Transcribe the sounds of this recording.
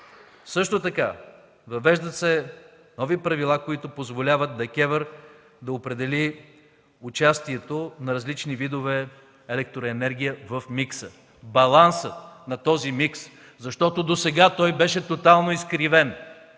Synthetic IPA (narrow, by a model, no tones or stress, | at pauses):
sɤʃt̪ot̪ɐka | vɐvɛʒd̪ət̪sɛ | nɔvipɾɐvilˠakoit̪ʊpozvolʲavɐt̪̚d̪ɐkʲɛvəɾ | d̪ɐopɾɛd̪ɛli | ʊt͡ʃast̪iɛt̪onɐɾɐzlit͡ʃnivid̪ovɛ | ɛlɛk̚t̪ɾoɛnɛɾɡʲijəvəfmiksə | bɐlˠansənɐt̪ɔzimiks | zɐʃt̪ɔt̪od̪osɛɡat̪ɔjbɛʃɛt̪ot̪alˠnoiskɾivɛn